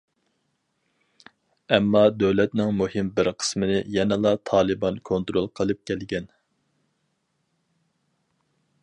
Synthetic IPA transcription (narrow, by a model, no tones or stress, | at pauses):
ɛmːɑd̪øwlɛt̪nɪŋmuhɪmbɪɾqʰə̥smɪnɪjɛnɛlˠɑt̪ʰɑːlˠɨbɑnkʰont̪ɾolˠqʰəlˠɨp̚kʲʰɛlɡʲɛn